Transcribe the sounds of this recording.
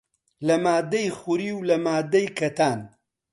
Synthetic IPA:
lɐmaːd̪ɐjχuɾiːwlɐmaːd̪ɐjkʰɐt̪ʰaːn

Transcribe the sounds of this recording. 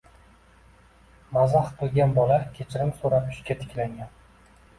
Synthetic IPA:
mazahqʰɨlˠɡʲanbɒlakʲʰet͡ʃʰɪɾɪmsoɾapʊʃkʲat̪ʰɪ̥kʲlaŋɡʲan

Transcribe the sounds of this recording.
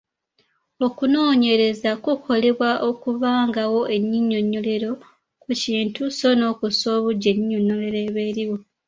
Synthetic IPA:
o̞kuno̞ːɲe̞ɾe̞zakukʰo̞le̞βwaʔo̞kuβaːŋɡawo̞ʔe̞ɲːiɲːo̞ɲːo̞le̞ɾo̞ | kuciːntuso̞no̞ːkuso̞ːβuɟe̞ɲːoɲːo̞le̞ɾeβeːɾiwo̞

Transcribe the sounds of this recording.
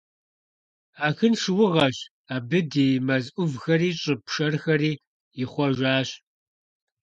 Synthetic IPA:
aːxɨnʂɨwʊʁɐɕ | aːbɨdiːmɐzʔʷʊvxɐriːɕʼɨpʂɐrxɐriː | jɪχʷɔʒʷaːɕ

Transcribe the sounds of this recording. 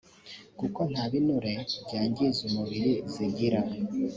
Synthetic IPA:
kuko̞n̥haβinuɾe̞bɟaːɲɟizumuβiɾiziɟiɾa

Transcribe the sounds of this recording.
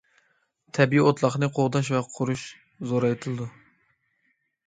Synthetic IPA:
t̪ʰɛbiot̪lˠɑχnɨqʰoʁd̪ɑʃ̬vɛqʰʊɾuʃ | zoɾɑjt̪ʰɨlˠɨd̪u

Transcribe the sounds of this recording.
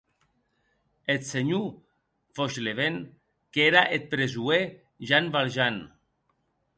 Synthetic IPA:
et̪seɲu | foʃleβen | keɾaʔet̪̚pɾezue | ʒanβalʒan

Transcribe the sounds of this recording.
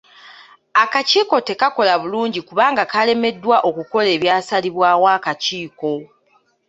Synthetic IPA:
akaciːko̞te̞kako̞laβuluːɲɟikuβaːŋɡakale̞me̞dːwaʔo̞kuko̞le̞ːβjaːsaliβwaːwaːkaciːko̞

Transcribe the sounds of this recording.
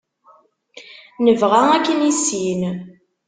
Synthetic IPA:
nəvʁæækːənisin

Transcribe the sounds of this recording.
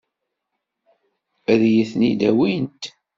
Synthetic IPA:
æðjəθnid̪æwint̪

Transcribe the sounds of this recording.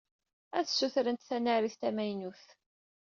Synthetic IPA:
æθsuθɾənt̪θænaɾiθt̪æmæjnuθ

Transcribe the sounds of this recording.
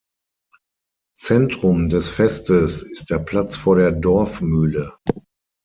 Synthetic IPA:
t͡sɛntʁ̥ʊmdɛsfɛstəsɪst̚d̥eːɐpʰl̥at͡sfoːɐɾeːɐdɔɐfmyːlə

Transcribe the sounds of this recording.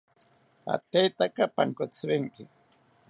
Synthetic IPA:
a̰t̪ejt̪akapaŋkot͡sɾeŋkɪ

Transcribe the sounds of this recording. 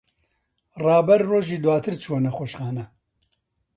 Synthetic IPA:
rɑːbɛɾroːʒiːd̪waːt̪ʰɨɾt͡ʃʰoːnɐxoːʃxaːnɐ

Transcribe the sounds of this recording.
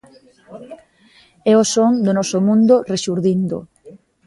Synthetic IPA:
ɛosoŋd̪onɔsomũnd̪oreʃuɾðind̪o̰

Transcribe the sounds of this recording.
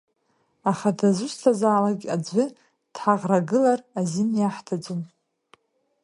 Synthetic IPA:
aχadazʷustʰazaːlaɡʲad͡zʷɨ | d̥ħaʁraɡɨlarazinjaħtʰad͡zʷum

